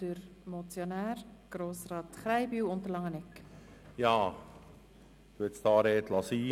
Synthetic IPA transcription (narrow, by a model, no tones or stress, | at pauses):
d̥əɾ | mɔt͡sjonæːrɡ̥ɾoːsrɑːt̪χɾajbyːwʊntəlɑŋənɛkjɑː | t̪uətst̪ɑːɾeːt̪lɑsiː